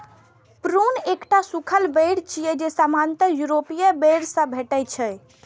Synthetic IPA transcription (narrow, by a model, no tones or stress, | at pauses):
pɾunekʈasukʰəlbəɽt͡ʃʰijed͡ʒesamant̪əjuɾopijebeɽsə̃bʱeʈɛt͡ʃʰəj